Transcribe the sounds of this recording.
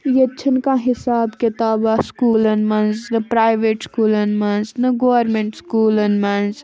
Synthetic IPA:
jet͡ʃʰənkãɦɪsaːbket̪aːbaskuːlɐnmɐnznəpɾaːjʋeːʈskuːlənmɐnznɐɡoːʋəɾmẽɳʈskuːlɐnmɐnz

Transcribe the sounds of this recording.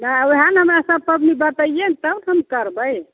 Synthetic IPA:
naoɦənɦəmasəb̚pəbnibət̪əjjent̪əwnɦəmkəɾbəj

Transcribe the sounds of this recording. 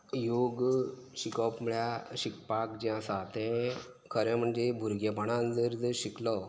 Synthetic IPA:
joɡɕikɔpməɭjaɕik̚pakd͡ʑiãsat̪ɛ̃ | kʰəɾɛ̃m̤əɳd͡ʑebʱuɾɡepaɳãnd͡zəɾd͡zəɾɕiklɔ

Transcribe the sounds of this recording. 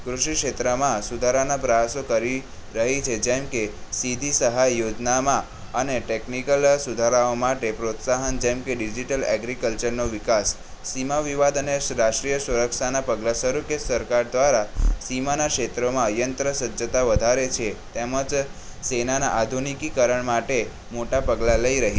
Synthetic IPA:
kɾuʃikʃet̪ɾəmãsud̪ʱaɾanapɾəjasokəɾiɾəɦit͡ʃʰed͡ʒemkesid̪ʱisəɦajːod͡ʒnamã | əneʈeknikəlsud̪ʱaɾaomaʈepɾot̪saɦənd͡ʒɛmkeɖid͡ʒiʈəlɛɡɾikəlt͡ʃəɾnoʋikasː | imaʋiʋad̪əneɾaʃʈɾijəsuɾəkʃanapəɡlasəɾukesəɾkaɾd̪ʋaɾasimanakʃet̪ɾomãəjənt̪ɾəsəd͡ʒət̪aʋəd̪ʱaɾet͡ʃʰet̪eməd͡ʒ | senana̰ʔad̪ʱunikikəɾəɳmaʈe | moʈapəɡlaləiɾəɦi

